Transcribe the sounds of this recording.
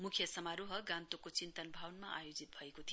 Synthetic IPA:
mukʰjʌsʌmaɾuɦʌɡãnt̪okot͡sint̪ʌnbʱawnmaʔa̰jod͡zit̪̚bʱʌekot̪ʰi

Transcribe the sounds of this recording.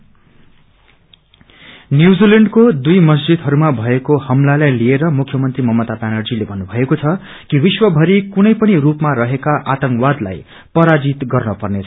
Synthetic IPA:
njuwd͡zileɳɖkod̪ujmʌs̬d͡zid̪ɦʌɾumabʱʌekohʌmlalajlieɾʌmukʰjʌmʌnt̪rimʌmʌt̪abanʌrd͡zilebʱʌnːubʱʌekot͡sʰʌ | kiwiswʌbʱʌɾikunʌjpʌnirupmaɾʌɦekaʔat̪ʌŋkwad̪la̰j | pʌɾad͡zit̪ɡʌrnʌpʌrnet͡sʰʌ

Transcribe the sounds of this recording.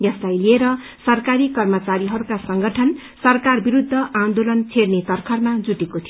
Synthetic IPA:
jʌslajlieɾʌ | sʌrkaɾikʌrmʌt͡saɾiɦʌɾukasʌŋɡʌʈʰʌn | sʌrkarbiɾud̪ʱːʌʔand̪olʌnt͡sʰeɽnet̪ʌrkʰʌrmad͡zuʈekot̪ʰij

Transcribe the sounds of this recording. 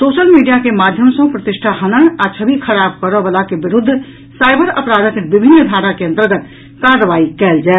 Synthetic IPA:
soːʃəlmiːɖijakemaːd̪ʱjəmsõpɾət̪ɪʃʈʰaɦənəɽ̃at͡ʃʰəbʱikʰəɾaːbkəɾəʋəlakeʋɪɾʊd̪ʱː | saːɪbəɾəpɾaːd̪ʱəkeʋɪbʱɪnːd̪ʱaːɽakeɐ̃nt̪əɾɡət̪ | kaːɾːəʋaːikɛːld͡ʒaːɛ

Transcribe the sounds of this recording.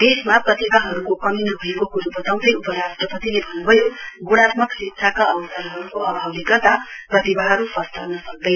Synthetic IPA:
d̪̥esmaprʌt̪ibʱaɦʌɾukokʌminʌɦuekokuɾubʱʌt̪aw̃d̪ʌjupʌɾasʈrʌpʌt̪ilebʱʌnːubʱʌjoɡuɽ̃at̪̚mʌksitsʰakaʌbʌsʌɾɦʌɾukoʔʌbʱawnikʌt̪aprʌt̪ibʱaɦʌɾupʌst̪ʰʌrnʌsʌk̚d̪ʌj

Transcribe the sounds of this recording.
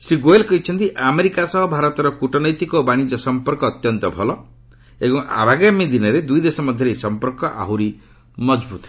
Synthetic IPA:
sɾiɡoelkɔɦit͡ʃʰɔnt̪iʔameɾikasɔɦɔbʱaɾɔt̪ɔɾɔkuʈɔnɔjt̪ikɔbaɽ̃id͡ʒɔsɔmpɔɾkɔːt̪jɔnt̪ɔbʱɔlɔ | ebɔŋʔa̰bʱaɡamid̪inɔɾed̪ujd̪esɔmɔd̪ʱjɔɾejsɔmpɔɾkɔʔa̰ɦuɾi | mɔd͡ʒbut̪ɔ̥

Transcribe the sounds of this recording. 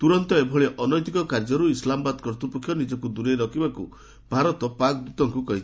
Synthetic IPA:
t̪uɾɔnt̪ɔebʱɔɭeʔɔnɔjt̪ikɔkaɾd͡ʒɔɾuislamɔbad̪kɔɾt̪upɔkʰːjɔnid͡ʒɔkud̪uɾeɾɔkʰibakṵ | bʱaɾɔt̪ɔpakd̪ut̪ɔŋkukɔɦit͡ʃʰi̥

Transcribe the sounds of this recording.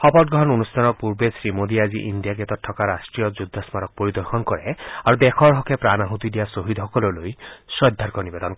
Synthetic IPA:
xɔpɔt̚ɡɾɔɦɔnonustʰanɔpuɾbesɾimod̪iad͡ʒiʔind̪ijaket̪ɔtʰːɔkaɾasʈɾijɔd͡ʒud̪ʱːasmaɾɔk̚poɾid̪ɔɾxʰɔnkɔɾeaɾud̪ekʰɔɾɦɔkʰepɾanaɦut̪id̪ijasoɦid̪ɦɔkɔlɔlojsɔjd̪ʱːaɾkɔnibed̪ɔnk

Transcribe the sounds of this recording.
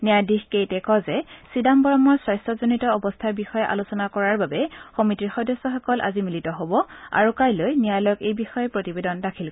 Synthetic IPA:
nijadixkejtɛkɔzɛsidambɔɹɔmɔɹswajstɹɔzonitɔɔbɔstʰaɹbixɔjɛʔa̰lusɔnakɔɹaɹbabɛxɔmitiɹxɔdɔsːɔxɔkɔlʔa̰zimilitɔɦobɔa̰ɹukajlojnijajlɔkejbixɔjɛpɹotibedɔndakʰilk

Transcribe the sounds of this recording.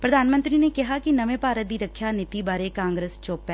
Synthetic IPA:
pɾɐd̪ʱaːnmə̃nt̪ɾinekɐɦakinɐʋẽpaːɾət̪d̪iɾɐkʰːjanɪt̪ibaːɾekãːŋɡɾeːst͡ʃoːpːɛ̃ː

